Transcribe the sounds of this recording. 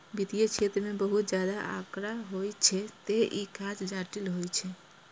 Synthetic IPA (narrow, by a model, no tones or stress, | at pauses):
bit̪ijet͡ʃʰet̪ɾmebəɦut̪̚d͡ʒjad̪aʔa̰kɾaɦojt͡ʃʰɛt̪eʔikãt͡ʃd͡ʒaʈilɦojt͡ʃʰɛ